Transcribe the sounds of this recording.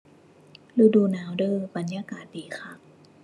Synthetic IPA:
luː˧duː˧naː˨˦wdɤː˧˨ba˨˦njaː˧kaː˨˩t̪̚diː˨˩˦xʰa˧˩

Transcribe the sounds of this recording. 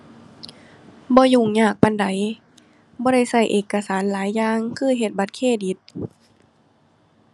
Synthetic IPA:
bɔː˧˦juː˧˩ŋɲaː˧˩k̚pa˧nda˨˦j | bɔː˧˦ɾa˧˩jsa˧˩jʔeː˨˩kːa˧saː˩˦nlaː˨˦jːaː˧ŋkʰɯː˧˥˨ɦe˨˩t̪̚ba˧˦t̪̚kʰeː˧˩di˨˧˦t̪̚

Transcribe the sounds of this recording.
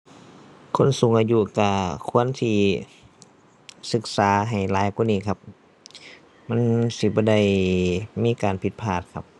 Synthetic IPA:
kʰo˧˥˨nsu˨˦ŋʔaː˧ju˧ka˧˩kʰu˧˥˨ə˨nt̪ʰiː˧ | sɯ˧˦k̚saː˨˦ɦa˨˩jlaː˨˦jku˧˥˨niː˧˥˨kʰa˧p̚ | ma˧˥˨nsi˧bɔː˧˦da˧˩˨jmiː˧˥˨kaː˨npʰi˧˦t̪̚pʰaː˧˩t̪̚kʰa˧˦p̚

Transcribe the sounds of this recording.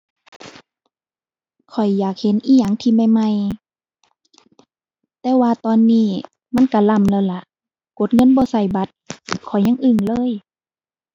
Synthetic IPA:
kʰɔ˨˩jːaː˨˩k̚he˧˦nʔiː˧˥˨ja˧˩˨ŋt̪ʰiː˧˩ma˧˩˨jma˧˨j | t̪ɛː˧waː˧t̪ɔː˧nːiː˧˩ | ma˧˥˨nka˧˩la˧˨mlaː˧˩˨la˧ʔ | ko˧˦t̪̚ŋɤ˧˥˨nbɔː˧˦sa˧˩jba˧˦t̪̚kʰɔ˨˩jɲa˧˥˨ŋʔɯ˧˩ŋlɤː˧˥˨j

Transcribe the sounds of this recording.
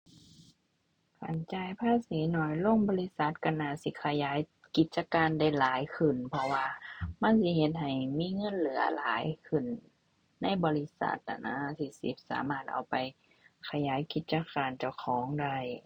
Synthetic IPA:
kʰa̰˨˧˩nt͡ɕaː˧˩jpʰaː˧˥˨siː˨˦nɔː˧˩jloː˧˥˨ŋbɔː˧li˧˥sa˧˦t̪̚ka˧˩nːaː˧˨si˧˦kʰa˧˩jaː˨˦j | ki˧t̪̚t͡ɕa˧kaː˧˨nda˧˩jlaː˨˦jkʰɯ˧˩npʰɔ˧waː˧ma˧˥˨nsi˧˦ɦe˧t̪̚ha˨˩jmiː˧˥˨ŋɤ˧˥˨nlɯ˨˦ɐlaː˨˦jkʰɯ˧˩nː | a˧˥˨jbɔː˧˦li˧sa̰˧˦t̪̚ʔa̰˨˩na̰˧˥t̪ʰi˧˩sḭ˧˦p̚sa̰ː˨˦maː˧˩t̪̚ʔa̰˨˩wpa˨j | kʰa˧jaː˨˦jki˧˦t̪̚t͡ɕa˧˨kaː˧˨nt͡ɕa˧˩wkʰɔː˨˦ŋda˧˩˨j

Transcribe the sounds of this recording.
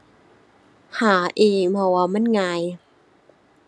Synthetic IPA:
haː˩˦ʔiː˧˩mʰɔ˧˩waː˧˩ma˧˥˨nŋaː˧j

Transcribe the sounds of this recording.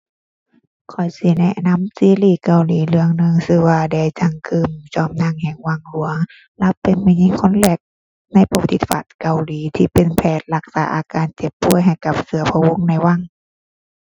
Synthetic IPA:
kʰɔ˨˩jsi˧˦nɛ˧˨ʔna˧˥˨msiː˧˦liː˧˩ka˨wliː˨˦lɯ˧əŋnɯ˧˨ŋsɯː˧˦˧waː˧da˧˩jt͡ɕa˧˩ŋkʰɯː˧˩mt͡ɕɔː˧˩mna˧˥˨ŋhɛ˨˩ŋwa˧˩˨ŋlu˨˦əŋ | lɛ˧˥wpe˨nma˧˩˨ɲi˧˥˨ŋkʰo˧˥˨nlɛː˧˩k̚ | na˧˥˨jpa˧wa˧t̪ʰi˧˦t̪̚fa̰ː˨˩t̪̚ka˨wliː˨˦t̪ʰiː˧pe˨npʰɛː˧˩t̪̚la˧k̚saː˨˦ʔaː˨˧kaː˨nt͡ɕe˧˦pːu˧˥˩əjɦa˨˩jka˧˦p̚sɯ˨˧˦ɐpʰa˧wo˧˥˨ŋna˧˩jwa˧˨ŋ

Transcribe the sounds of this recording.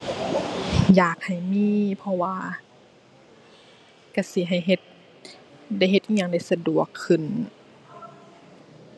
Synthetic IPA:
jaː˨˩k̚ha˨˩jmiː˧˨pʰɔ˧waː˧ | ka˧˩si˧˦ɦa˨˩jɦe˧˦t̪̚ | da˧˩jɦe˧t̪ʔi˧˦ɲa˧˨ŋda˧˩jsa˧du˨˩əkʰːɯ˧˩n

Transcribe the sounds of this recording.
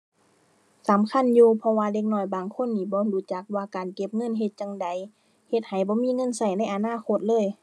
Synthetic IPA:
sa˨˦mkʰa˧˥˨njuː˧pʰɔ˧waː˧de˧k̚nɔː˧˩jbaː˨˩ŋkʰo˧˥˨nːiː˧˩bɔː˧˦duː˨˩t͡ɕa˧˦k̚waː˧kaː˨nke˧˥p̚ŋɤ˧˥˨nɦe˧t̪̚t͡ɕa˧ŋda˨˦j | he˧t̪̚ha˨˩jbɔː˧˦miː˧˥˨ŋɤ˧˥˨nsa˧˩jna˧˥˩jʔa˨naː˧˥˨kʰo˧˦t̪̚lɤː˧˥˨j

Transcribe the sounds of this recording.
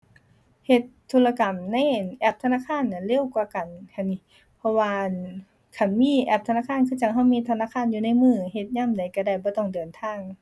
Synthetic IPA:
he˧t̪ʰːuː˧la˧ka˨˩mna˧˥˨jʔɛ˧˩p̚t̪ʰa˧naː˧˥˨kʰaː˧˥˨nːa˧˨nle˧˥˨wkwaː˧ka˨nhʰa˧˩ni˧ | pʰɔ˧waː˧ | kʰa˧˩nmiː˧˥˨ʔɛː˧˩p̚t̪ʰa˧naː˧˥˨kʰaː˧˨nkʰɯː˧˩t͡ɕa˧˩ŋɦa˧˩˨wmiː˧˥˨t̪ʰa˧naː˧˥˨kʰaː˧˥˨njuː˧na˧˥˨jmɯː˧˩he˧t̪̚ɲaː˧˥˨mda˨˩jka˧˩da˧˩jbɔː˧˦t̪ɔ˧˩ŋdɤː˨˩nt̪ʰaː˧˥˨ŋ

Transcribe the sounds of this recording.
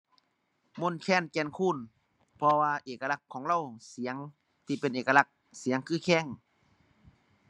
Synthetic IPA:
mo˧˥˨nkʰɛː˧˩˨nkɛː˧˩nkʰuː˧˥˨n | pʰɔ˧waː˧ʔeː˨˩kːa˧la˧˩kʰːɔː˩˦ŋɾa˧˥˨wsi˨˩˦ŋ | t̪ʰiː˧˩pe˧˨nʔeː˨˩ka˧la˧k̚ | si˨˩˦əŋkʰɯː˧˩kʰɛː˧˥˨ŋ

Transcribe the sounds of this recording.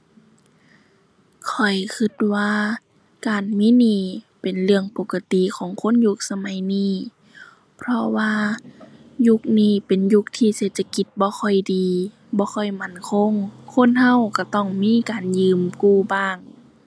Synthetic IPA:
kʰɔ˨˩jkʰɯ˧t̪̚waː˧ | kaː˨nmiː˧˥˨niː˧˩˨ | pe˨˩nlɯ˧˩əŋpo˧˦kːa˧t̪i˨kʰɔː˨˦ŋkʰo˧˥˨nju˧˦k̚sa˧ma˨˦jniː˧˥˩ | pʰɾɔ˧waː˧ | ju˧k̚niː˧˩˨pe˨nju˧˦k̚t̪ʰiː˧seː˧t̪̚sʰa˧ki˧˦t̪̚bɔː˧˦kʰɔ˧˩jdiː˨ | bɔː˧˦xʰɔ˧˩jma˧˥˩nkʰo˧˥˨ŋkʰo˧˥˨nha˧˥˨wka˧˩t̪ɔ˧˩ŋmiː˧˥˨kaː˨njɯː˨˧mkuː˧˩baː˧˥˩ŋ

